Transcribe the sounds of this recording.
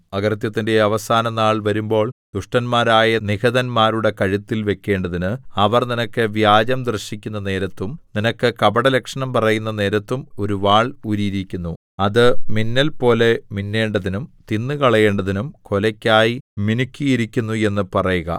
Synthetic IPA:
ɐɡɐrɐt̪̬jɐt̪ːinde̞ɐʋɐsaːnɐnaːɭʋɐɾumbo̞ːɭd̪̥uʂʈɐnmaːɾaːjɐniɣɐðɐnmaːɾuɽe̞kɐɻit̪ːilʋe̞kʲːe̞ːɳɖɐðinɨɐʋɐrninɐkːɨʋjaːd͡ʑɐmd̪rɨɕikʲːunːɐne̞ːɾɐt̪ːumninɐkːɨkɐbɐɽɐlekʂɐɳɐmpɐrɐjunːɐne̞ːɾɐt̪ːumo̞ɾuʋaːɭuɾiɾikʲːunːu | ɐðɨminːɐlpo̞ːle̞minːe̞ːɳɖɐðinumt̪inːɨkɐɭɐje̞ːɳɖɐðinumko̞lɐkʲːaːjiminukʲːijiɾikʲːunːue̞nːɨpɐrɐjuɣɐ̰

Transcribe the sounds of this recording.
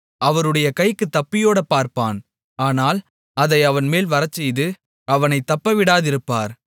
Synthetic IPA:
ʔɐʋɐɾɯɽɐjɐkɐɪkːɯt̪ːɐpːɪjoːɽɐpːaːɾpaːn | aːnaːl | ɐðɐɪɐʋɐnmeːlʋɐɾɐt͡ʃːɛjðɯ | ɐʋɐnɐɪt̪ːɐpːɐʋɪɽaːðɪɾɯpːaːɾ

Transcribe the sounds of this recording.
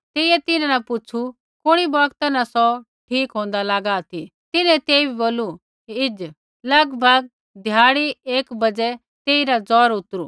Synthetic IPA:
t̪eːiɛt̪ɪnãnapʊt͡ʃʰu | kʊɽ̃ibɔːkt̪anasɔ | ʈʰiːkɦõːnd̪alaːɡat̪ʰit̪ɪnɛ̃t̪eːibʱiboːlu | ɪd͡ʒ | lɐɡbʱɐɡ̚ | d̪ʱjaːɽieːkbɐd͡zɛ | t̪eːiɾad͡zɔːɾʊt̪ɾu

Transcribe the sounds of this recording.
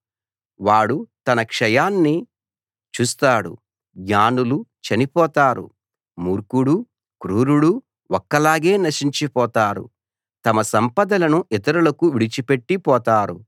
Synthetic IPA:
ʋaːɽut̪ɐnɐkʂɐjaːnːi | t͡ʃuːst̪aːɽṵ | ɡaːnulut͡ʃɐnipɔːt̪aːɾṵ | muːɾkuɽu | kɾuːɾuɽu | ɔkːɐlaːɡe̞ːnɐʂiɲt͡ʃipɔːt̪aːɾṵ | t̪ɐmɐsɐmpɐd̪ɐlɐnuʔit̪̬ɐɾulɐkuʋiɽit͡ʃipe̞ʈːipɔːt̪aːɾṵ

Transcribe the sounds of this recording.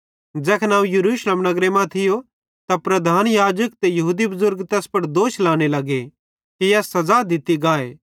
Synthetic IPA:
d͡ʒɛːkʰnãːũjɐɾuːʃlemnɐɡɾemãt̪ʰɪjo | t̪apɾɐd̪ʱaːnjaːd͡ʒək̚t̪ejɐɦuːd̪ibɐzʊɾɡt̪ɛːspɐɽd̪oːʃlaːɽ̃elɐɡe | kijɛːsːɐzaːd̪ʱɪt̪iɡaːḛː

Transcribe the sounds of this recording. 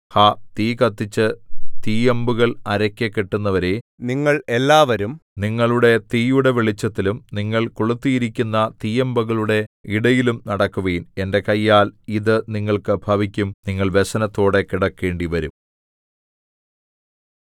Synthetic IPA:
hat̪iːkɐt̪ːit͡ɕːɨt̪iːembuɣɐɭɐɾɐkʲːekːeʈːunːɐʋɐɾeniŋːɐɭelːaːʋɐɾumniŋːɐɭuɽe̞t̪iːjuɽe̞ʋeɭit͡ɕːɐt̪ːilumniŋːɐɭkuɭut̪ːijiɾikʲːunːɐt̪iːjembuɣɐɭuɽe̞iɽɐjilumnɐɽɐkːuʋeːne̞nde̞kɐjːaːliðɨniŋːɐɭkɨbʱɐʋikʲːumniŋːɐɭʋesɐnɐt̪ːo̞ːɽe̞kiɽɐkːe̞ːɳɖiʋɐɾum

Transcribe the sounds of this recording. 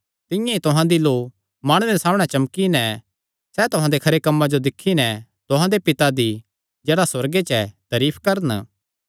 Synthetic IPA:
t̪ɪ̃jãit̪ʊɦãd̪iloː | maːɽ̃ʊɾesaːmɽ̃ɛt͡ʃɐmkinɛ̃ | sɛt̪ʊɦãd̪ekʰɐɾekɐmːad͡ʒod̪ɪkʰːinɛ̃t̪ʊɦãd̪epɪt̪ad̪i | d͡ʒeːɽaswɐɾɡet͡ʃɛt̪ɐɾiːpʰkɐɾən

